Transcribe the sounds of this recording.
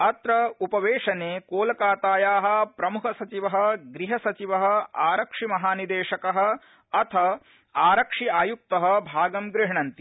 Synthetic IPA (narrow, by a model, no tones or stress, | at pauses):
ɐt̪ɾɐupɐʋeːʃɐneːkoːlɐkaːt̪aːjaːɦɐ̆pɾɐmukʰɐsɐt͡ʃiʋɐɦɐ̆ɡɾiɦɐsɐt͡ʃiʋɐɦɐ̆aːɾɐkʂimɐɦaːnid̪eːʃɐkɐɦɐ̆ | ɐt̪ʰɐ | aːɾɐkʂiaːjuk̚t̪ɐɦɐ̆bʱaːɡɐmɡɾɪɦɳɐnt̪i